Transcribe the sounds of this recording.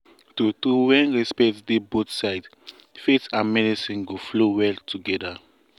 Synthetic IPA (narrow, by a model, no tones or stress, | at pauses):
tutuwɛ̃nɹispɛtdibotsaɪd | fitãnmɛdisĩnɡoflowɛltuɡɛda